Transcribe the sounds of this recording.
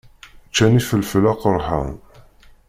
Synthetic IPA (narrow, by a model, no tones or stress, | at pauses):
t͡ʃːænifəlflæqəɾˤħə̰n